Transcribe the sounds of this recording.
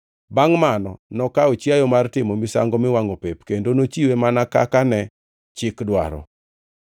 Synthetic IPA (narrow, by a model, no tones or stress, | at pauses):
baŋmanɔnɔkaot͡ʃjajɔmartɪmomɪsa̰ŋɡɔmɪwaŋopepkendonot͡ʃiwemanaka̰kanɛ | t͡ʃɪkdwa̰ɾɔ̰